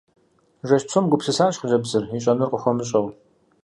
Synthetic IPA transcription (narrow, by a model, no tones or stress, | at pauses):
ʒʷɐʃsʰomɡʷʊpsɨsaːɕχʒɐbzɨriɕʼɐnɨrqʼəxʷɔmɨɕʼɐw